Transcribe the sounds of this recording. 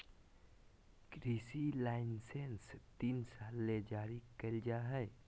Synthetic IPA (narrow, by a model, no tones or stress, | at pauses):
kɾiːsilaːɪnsenst̪iːnsaːlːed͡ʒaːɾikəld͡ʒaɦɛː